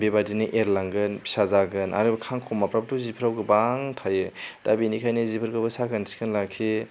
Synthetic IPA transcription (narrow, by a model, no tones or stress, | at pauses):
bebadinɯʔeɾlaŋɡɯnpʰi̥sazaɡɯnʔa̰ɾɯbkʰaŋkʰɔmapɾap̚tuzipʰɾawɡɯbaŋtʰajɯd̥abinikʰajnɯzipʰɯɾɡɯbɯsakɯnsi̥kʰɯnlakʰi